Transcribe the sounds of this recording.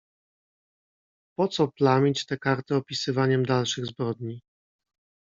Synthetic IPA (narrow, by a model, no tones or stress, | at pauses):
pɔt̪sɔplamʲit͡ɕt̪ɛkaɾt̪ɘɔpʲisɘvaɲɛmd̪alʂɘɣzbɾɔd̪ɲi